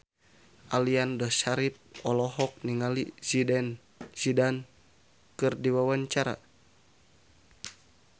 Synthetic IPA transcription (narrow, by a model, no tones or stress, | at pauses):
ʔaliandɔʃaɾip̚ɔlɔɦɔk̚niŋalizidɛn | z̥idan | kɨrdiwawaɲt͡ʃaɾa̰